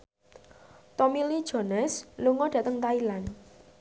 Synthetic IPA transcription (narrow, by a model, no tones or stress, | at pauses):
t̪ɔmilid̥ʒ̥ɔ̤nɛsluŋɔdɖ̥ä̤t̪əŋt̪ailan